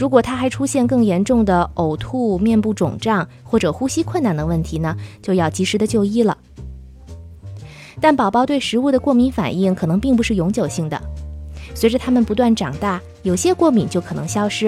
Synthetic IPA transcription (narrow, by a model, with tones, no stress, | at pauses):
ɻu˧˥kwɔ˨˩t̪ʰa˥xa˧˥ɪʈ͡ʂʰu˥ɕjɛ˥˧nkɤ˥˩ŋjɛ˧˥nʈ͡ʂʊ˥˩ŋd̪ə˩o˨˩ʊt̪ʰu˥˧mjɛ˥˧npu˥˩ʈ͡ʂʊ̰˨˩ŋʈ͡ʂɑ˥˩ŋ | xwɔ˥˩ʈ͡ʂɤ˨˩xu˥ɕi˥kʰwə˥˧na˥˩nd̪ə˩wə˥˩nt̪ʰi˧˥nə˨t͡ɕjo˥˧ʊjɑ˥˩ʊt͡ɕi˧˥ʂɻ̩˧˥d̪ə˧t͡ɕjo˥˧ʊi˥˩lə̰˩ | t̪a˥˩npɑ˨˩ʊpɑ˥ʊt̪we˥˩ɪʂɻ̩˧˥u˥˩d̪ə˩kwɔ˥˩mi˧˥nfa̰˨˩ni˥˩ŋkʰɤ˨˩nɤ˧˥ŋpi˥˩ŋp̬u˧˥ʂɻ̩˥˩jʊ˧˥ŋt͡ɕjo˨˩ʊɕi˥˩ŋd̪ə̰˩swe˧˥ʈ͡ʂə˧t̪ʰa˥mə˨npu˧˥t̪wa˥˩nʈ͡ʂɑ˨˩ŋt̪a˥˩ | jo˨˩ʊɕjɛ˥kwɔ˥˩mi˨˩ŋt͡ɕjo˥˩ʊkʰɤ˨˩nɤ˧˥ŋɕjɑ˥ʊʂɻ̩˥